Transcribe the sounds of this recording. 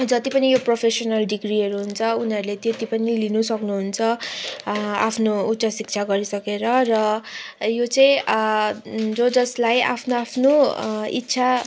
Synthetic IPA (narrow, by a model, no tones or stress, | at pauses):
d͡zʌt̪ipʌnijopropʰesonʌlɖiɡriɦʌɾuɦunt͡sʰʌuniʌɾulet̪et̪ipʌnilinusʌknuɦunt͡sʰʌ | apʰnoutːt͡sʰʌsik̚t͡sʰaɡʌɾisʌkeɾʌrʌjot͡sʌĩ | d͡zod͡zʌslaja̰pʰnoapʰnoḭtːt͡sʰa